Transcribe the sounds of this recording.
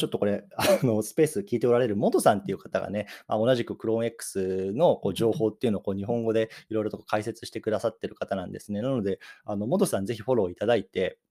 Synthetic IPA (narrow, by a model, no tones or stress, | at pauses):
t͡ɕo̞t̪ːo̞ko̞ɾe̞ano̞sɨ̥pe̞ːsɨkʲiːt̪e̞o̞ɾaɾe̞ɾɯ̟mo̞d̪o̞sãnt̪ːe̞iɯ̟kat̪aɡa̰ne̞ma̰o̞naʑikɯ̟kɯ̟ɾõ̞e̞kːɯ̥sɨno̞ko̞ːʑo̞ːho̞ːt̪ːeiɯ̟no̞ako̞ːɲ̟iɦõ̞ŋɡo̞d̪e̞iɾo̞iɾo̞t̪o̞kokaise̞t͡sɨ̥ɕi̥t̪e̞kɯ̟d̪asat̪ːe̞ɾɯ̟kat̪anãnd̪e̞sɨne̞nano̞d̪e̞ano̞mo̞d̪o̞sãnd͡ze̞çiɸo̞ɾo̞ːit̪ad̪ait̪e̞